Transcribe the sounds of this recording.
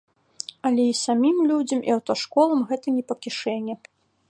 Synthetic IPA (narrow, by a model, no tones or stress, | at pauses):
ɐlʲɛisamʲimlʲud͡zʲɐmḭɐwt̪ɐʂkɔlˠɐmɣɛt̪ɐnʲɛpɐkʲiʂɛnʲːɛ